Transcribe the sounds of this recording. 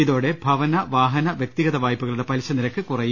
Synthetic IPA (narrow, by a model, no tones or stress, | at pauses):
iðo̞ːɽe̞bʱɐʋɐnɐʋaːɦɐnɐʋjɐk̚t̪iɣɐðɐʋaːjpːuɣɐɭuɽe̞pɐlɕɐniɾɐkːɨkurɐj